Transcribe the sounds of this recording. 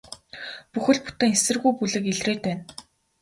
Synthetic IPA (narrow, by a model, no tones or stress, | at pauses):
puxɘ̆ɮpu̥t̪ĕːŋesɘ̆rɣujpuɮɘ̆kiɮreːt̪̚pæːn